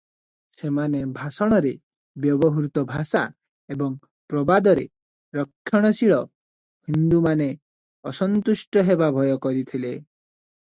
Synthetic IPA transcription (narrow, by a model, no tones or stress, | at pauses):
semanebʱasɔɽ̃ɔɾe | bjɔbɔɦuɾt̪ɔbʱasa | ebɔŋ | pɾɔbad̪ɔɾḛ | ɾɔkʰːjɔɽ̃ɔsiɭɔ | hind̪umane | ɔsɔnt̪usʈɔɦebabʱɔjɔkɔɾit̪ʰile